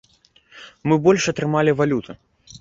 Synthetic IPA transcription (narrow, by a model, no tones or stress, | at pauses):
mɨbɔlʲʂɐt̪ɾɨmalʲivalʲut̪ʰɨ